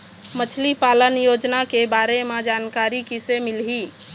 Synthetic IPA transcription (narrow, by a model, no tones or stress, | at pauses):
mət͡ʃʰlipalənjod͡ʒnakebaɾemed͡ʒankaɾikisemilɦi